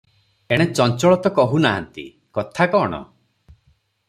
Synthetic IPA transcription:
eɽ̃et͡ʃɔnt͡ʃɔɭɔt̪ɔkɔɦunaɦa̰nt̪ḭ | kɔt̪ʰakɔːɽ̃ɔ̰

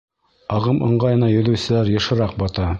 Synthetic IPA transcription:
ɑʁɤmɤ̆ɴɢɑjɤ̆nɑjɵ̆lɵ̆wsɘ̆læɾjɤ̆ʃɤ̆ɾɑq̚bɑt̪ɑ

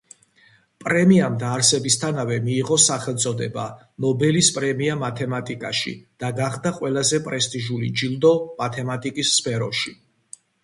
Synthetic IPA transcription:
pʼɾɛmiamd̪aːɾsɛbist̪ʰanavɛmiːʁɔsaχɛlˠt̪sʼɔd̪ɛba̰ | nɔbɛlispʼɾɛmiamat̪ʰɛmat̪ʼikʼa̰ʃḭd̪̥aɡaχd̪aqʼwɛlazɛpʼɾɛst̪ʼiʒulid͡ʒild̪ɔmat̪ʰɛmat̪ʼikʼisːpʰɛɾɔʃi

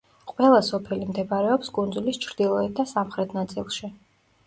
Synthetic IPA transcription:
qʼwɛlˠasɔpʰɛlimd̪ɛbaɾɛɔpskʼund̪zulist͡ʃʰɾd̪̥ilˠɔɛt̪̚d̪asamχɾɛt̪ʰnat̪sʼḭlˠʃi

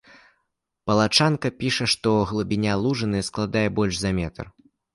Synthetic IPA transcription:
pɐlˠat͡ʂankɐpʲiʂɐʂt̪ɔɣlˠubʲinʲalˠuʐɨnɨsklˠad̪ajɛbɔlʲʐzɐmʲɛt̪ɐ̰r

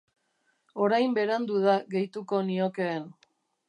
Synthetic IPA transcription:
o̞ɾajmbe̞ɾand̪uð̞aɣe̞jt̪uko̞nio̞keːn

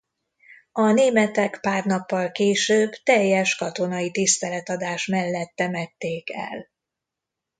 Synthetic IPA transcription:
ɒneːmɛt̪ɛkpaːrnɒpːɒlkeːʃøːbt̪ɛjːɛʃkɒt̪o̞nɒit̪ist̪ɛlɛt̪ɒd̪aːʃmɛlːɛt̪ːɛmɛt̪ːeːkɛ̰l

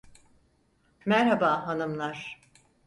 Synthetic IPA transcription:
mæɾhabaːɦanɯmlˠaɾ̥

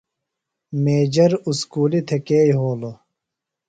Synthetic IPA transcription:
meːd͡ʑɐɾuskuːlit̪ʰekeːjɦoːlo

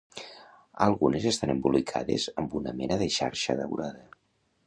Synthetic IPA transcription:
əlˠɣunezest̪anəmbulikʰa̰ðezəmbunəmɛnəðeʃa̰ɾʃəðəwɾaðə

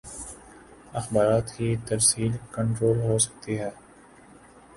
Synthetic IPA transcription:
ɐxbaːɾaːt̪kit̪ɐɾsiːlkə̃ɳʈɾoːlɦoːsɐ̥k̚t̪iɦɛː

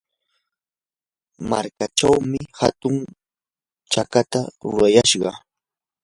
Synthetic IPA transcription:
maɾkat͡ʃawmɪhat̪ʊŋ | t͡ʃakat̪aɾʊɾajaʃɢɑ

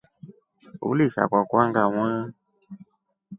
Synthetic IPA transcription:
ṵlisa̰kwakwaŋɡaw̃ã

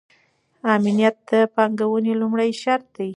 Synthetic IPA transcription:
ɑminjat̪̚d̪əpɑŋɡawunelumɽajʃaɾt̪̚d̪aj

